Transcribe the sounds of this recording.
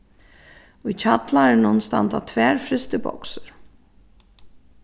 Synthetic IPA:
ujt͡ɕʰat̪laɾɪnʊnst̪a̰nt̪at̪ʰvɛːɾfɾɪst̪ɪbɔ̰ksʏɾ̥

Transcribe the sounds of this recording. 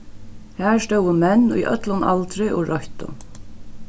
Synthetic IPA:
hæst̪owəmɛnːṵjʔœ̰t̪lʊna̰lt̪ɾɪʔɔ̰ɹʔɔht̪ʊ̰

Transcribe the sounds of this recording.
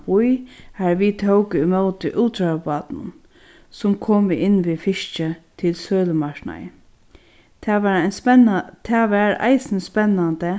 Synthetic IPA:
pujhæɹʋit̪ʰɔwkəɪmœwt̪ɪ̰ʔuːt̪ʰɾapɑːt̪nʊ̰n | sʊmkʰoːmʔɪnːʋifɪʃt͡ʃət̪ʰɪlsøːləmakna̰j | t̪ʰːʋa | t̪ʰɛːʋæɹa̰ɪsɪnspɛnːant̪ə

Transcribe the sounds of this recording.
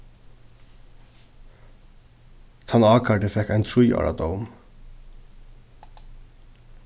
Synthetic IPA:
t̪ʰɑnɑːkʰaɖəfɛhkæɪnt̪ʰɾujɑ̰ːɹa̰d̪oʊm

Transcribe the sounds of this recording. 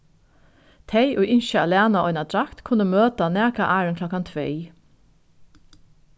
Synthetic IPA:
t̪ʰeɪʔoːʔɪnʃəɑlæːnɑɔʏnɑd̪ɹɑkt̪kʰʊnəmøːt̪ɑneːkɑʔæːɹənkʰlɔkɑnt̪ʰʋeɪ

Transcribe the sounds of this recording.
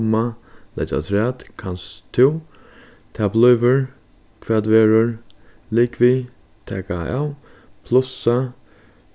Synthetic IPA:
malɛ̰ta̰t̪ʰɾɛːt̪kʰanst̪ʰɪw | t̪ʰɛːblʏʏvʏɹ | kʰvɛːt̪veːɹʊɹ | lɪkvi | t̪ʰɛːkaa̰wpʰlʊsa

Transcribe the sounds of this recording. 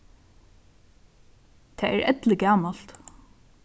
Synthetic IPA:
t̪ʰɛːæ̰ɾʔɛt̪lɪɡæːmal̥t̪

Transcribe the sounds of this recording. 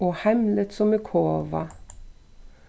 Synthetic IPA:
oːhɛmlət̪sɔmekʰoːʋɑ̰

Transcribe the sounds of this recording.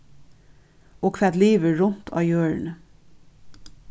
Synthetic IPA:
ʔoːkʰʋɛd̪liːʋəɹʊnt̪ʰɑ̰ːjøːɹɳ

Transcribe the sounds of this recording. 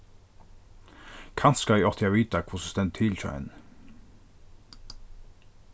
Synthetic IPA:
kʰɑnt̪skɑiːɔt̪ʰɪɑʋiːt̪akʰvʊsɔst̪ɛnt̪ʰɪlt̪ʰœ̰ɛ̰n

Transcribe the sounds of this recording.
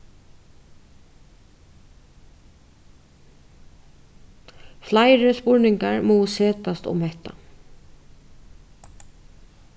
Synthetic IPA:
flaɪɾəspʊɹnɪŋkaɹmuːseːt̪ast̪ʊ̰mhɛht̪a̰

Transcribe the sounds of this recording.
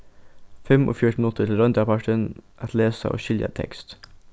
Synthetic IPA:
fɛmʔo̰ːfjʊʈɳn̩ʊt̪ʰːət̪ʰɪlɾœnd̪əpʰɑʈənʔat̪ʰleːsa̰ʔo̰ːʃɪlja̰t̪ʰɛ̰kst̪

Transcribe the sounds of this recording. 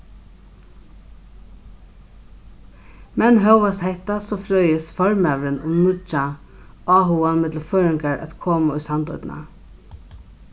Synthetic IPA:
mɛnɦœwʋast̪hɛht̪asɔːfɾœʏjɪsfɔɹmɛːʋɾɪnʊ̰mnʊt͡ʃa | ɑːɦuanmɪt̪l̩fœːɾɪŋkaɹæ̰t̪kʰoːmaʊjsant̪ɔ̰t̪na̰

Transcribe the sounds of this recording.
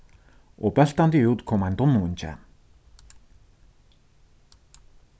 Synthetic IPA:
ʊpaɬt̪ant̪iːŋjuːt̪kʰɔmant̪ʊnunt͡ɕæ̰ː

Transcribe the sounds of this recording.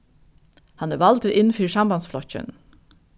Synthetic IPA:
hɑnæʋɑlt̪əɾʔɪnn̩fyːɹsɑmbɑnsflɔçə̰n

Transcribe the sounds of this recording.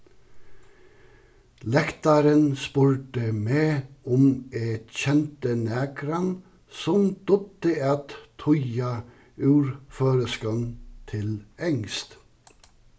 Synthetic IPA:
lɛkt̪ɑɾənspʉɹʈəmeːʊmet̪çɛnt̪ənæːkɾɑn | sɔmd̪̥ɔt̪əɑt̪t̪ʰɔɑ | ʉːɾføːɾəskɑnt̪ʰɪlɛŋst̪

